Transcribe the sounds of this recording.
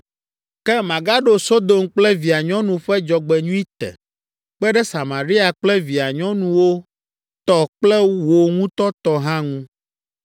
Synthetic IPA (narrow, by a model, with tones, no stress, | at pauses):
kɛ˦mã˨ɡa˦ɖo˦so˦d̪o˨mk͡plɛ˦vi˨a˨ɲɔ̃˦nũ˨ɸɛ˦d͡ʒɔ˨ɡ͡bɛ˨ɲũ˦i˦t̪ɛ̰˨ | k͡pɛ˦ɖɛ˦sa˨mã˨ɾi˦a˨k͡plɛ˦vi˨a˨ɲɔ̃˦nũ˦wo˦ | t̪ɔ˦k͡plɛ˦wo˨ŋũ˦t̪ɔ˦t̪ɔ˨ɦã˦ŋũ˦